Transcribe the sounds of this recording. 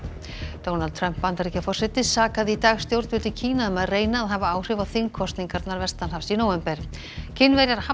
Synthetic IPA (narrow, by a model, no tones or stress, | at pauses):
d̪̥ownalt̪ʰɾœm̥pːant̪aɾicafɔr̥sɛt̪ɪsaːkaðɪit̪aːɣst̪jowɾt̪vʏlt̪ɪcʰiːnaʏmɛðreːjnaːðɦavaaːwr̥ɪvawθɪŋkʰɔst̪niŋkaɾt̪naɾvɛst̪anhafsinowɛmpɛɾ̥ | cʰɪnːvɛɾjaɾha